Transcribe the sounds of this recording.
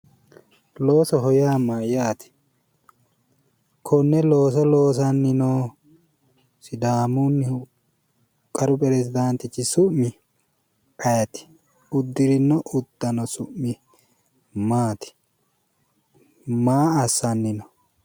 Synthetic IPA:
lo̞ːsɔɦɔjaːmajaːt̪ɪ̥ | kʰɔnːɛlo̞ːs̬ɔlo̞ːs̬ɐnːɪnoː | sɪd̪aːmunːɪ | kʼɐɾʊpʼɛɾɛsɪd̪ɐnt̪ɪt͡ʃːɪsʊʔmɪ | pɐjɐt̪ɪ̥ | ʊd̪ːɪɾɪnːɔʔʊd̪̥ːɐnɔsʊʔmɪ | maːt̪ɪ̥ | maːɐsːɐnːɪnɔ

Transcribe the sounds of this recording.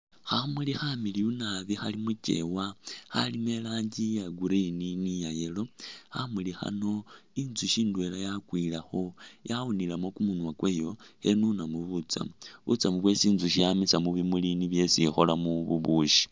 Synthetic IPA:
xamulixamiliunaβixalimut͡ʃe̞̰waxa̰lime̞laːɲɟijaɡuɾininijajelo̞xamulixa̰no̞inzuʃiːndwe̞lajakwilaxo̞jaunilamo̞kumunwakwe̞ːjo̞henunamuβut͡sa̰βṵt͡samuβwe̞siːnzuʃijamisamuβimuliniβje̞sixo̞lamuβuβuʃi̥

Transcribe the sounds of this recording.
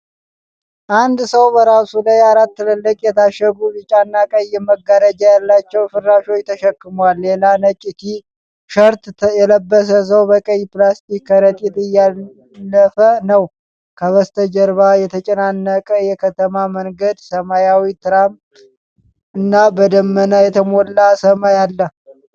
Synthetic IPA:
ʔand̪səwbəɾasulajaɾat̪ːɨləlːəkʼjɛt̪ʰaʃːəɡubɨt͡ʃʼanːakʼəjːɛməɡaɾəd͡ʒajalːat͡ʃːɛwfɨɾːaʃo̞jt̪ʰːəʃəkːɨmwalːelanət͡ʃʼit̪ʰi | ʃəɾt̪jɛləbːəs̬əs̬əwbəkʼəjːplast̪ikːəɾət̪ʼit̪ɨjːaː | əfənəw | kʰəβəst̪ʰəd͡ʒəɾβajɛt̪ʰət͡ʃʼənanːəkʼəjɛkʰət̪ʰəmaməŋɡəd̪səmajawit̪ʰɨɾam | ɨnːabəd̪əmːənajɛt̪ʰəmolːasəmajalːə

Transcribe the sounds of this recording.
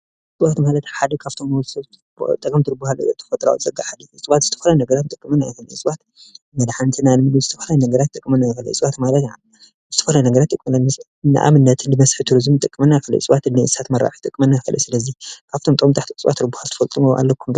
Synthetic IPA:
sʼɨbat̪malɐt̪ħad̪ɐkʰaβt̪ʰomɐ | t̪ʼɐkʼɐmt̪ʰɨɾɨbuhal̰t̪ʰɐ̥fɐt̪ʼɾa̰wzʼɐɡaħad̪it͡sʼɨβat̪zɨ̥t̪ʰɐfɐlanɐɡɐɾat̪t̪ʼɨkʼːɨmɐnːajfɐlḭsʼbat̪ | mɐd̪ħant̪ʰɨnalmɨɡɨzɨt̪ʰɐfɐlajnɐɡɐɾat̪ʼːɨkʼːɨmɐnːajkɐlɐ̰t͡sʼβat̪malɐt̪a | zɨ̥t̪ʰɐfɐlanɐɡɐɾat̪ːʼɨkʼːmɐlanːɨs | ɨnːa̰ʔa̰mɨnːɐt̪ʰɨndɨmɐsħit̪ʰuɾizɨmt̪ʼɨkʼːɨmɐnːajfɐlɐ̰t͡sʼɨβat̪ɨnːiɨsat̪mɐɾa̰ħi̥t̪ʼɨkʼmɐnːajfɐlʔɐ̰sɨlɐzikʰaβt̪ʰomt̪ʼmt̪ʼaħt̪ʰisʼβa̰t̪ʰːɨɾɨbuhalt̪ʰɐ̥fɐlt̪ʼɨmuʔa̰lːɐkʰːum

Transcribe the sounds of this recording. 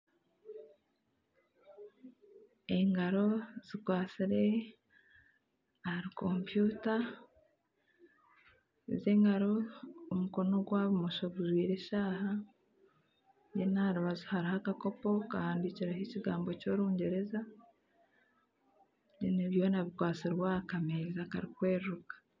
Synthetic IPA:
eŋɡaɾo̞z̥ikwaːsiɾe̞ | hɾikʰo̞mpjuːta | zeːŋɡaɾo̞ːmuko̞no̞ɡwaːβumoʃaβuʒwiːɾe̞ʃaːha | jenaɾuβazuhaɾihakako̞po̞kahaːndiciɾahiciɡaːmbo̞co̞ɾuːɲɟe̞ɾe̞za | niniβjo̞naβikwaːt͡siɾwakameːzaka̰ɾikweːɾɾukḁ

